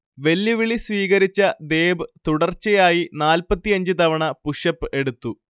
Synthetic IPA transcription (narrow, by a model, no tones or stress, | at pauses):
ʋe̞lːuʋiɭisʋiːɣɐɾit͡ɕːɐd̪e̞ːbɨt̪uɽɐrt͡ɕːɐjaːjinaːlpɐt̪ːijɐɲd͡ʑɨt̪ɐʋɐɳɐpuʂɐpːɨʔe̞ɽut̪ːu